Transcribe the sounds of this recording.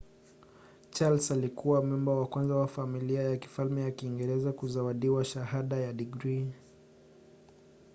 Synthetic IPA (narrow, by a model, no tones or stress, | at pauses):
t͡ʃalsalikuwamumbawakwanzawafamiliajaki̥falmɛjakiːŋɡɛɾɛzakuzawaɗiwaʃahaɗajaɗiɡɾi